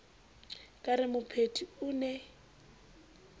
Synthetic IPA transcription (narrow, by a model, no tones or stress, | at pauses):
kʼaɾɪmʊpʰetʰiʊnɛ